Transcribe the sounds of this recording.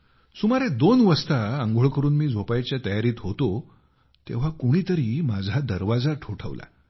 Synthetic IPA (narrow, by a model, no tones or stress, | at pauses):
sumaɾed̪onʋəst̪aəŋɡʱoɭkəɾuːnmiːd͡zʱopajt͡ɕjat̪əjaɾiːt̪ɦot̪o | t̪ḛʋ̤akuɽ̃iːt̪əɾiːmad͡zʱad̪əɾʋad͡zaʈʰoʈʰə̰ʋla̰